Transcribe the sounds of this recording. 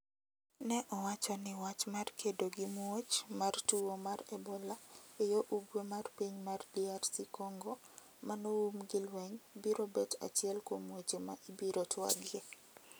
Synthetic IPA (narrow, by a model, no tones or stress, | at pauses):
nɛʔɔwat͡ʃɔnɪwat͡ʃmarkʰedoɡɪmwot͡ʃmartuomaɾebolaejoʔuɡwemarpiɲmardiarsikɔŋɡo | manoumɡɪlwɛɲbiɾobɛta̰t͡ʃɪɛlkomwot͡ʃemaʔibiɾotwa̰ɡɪe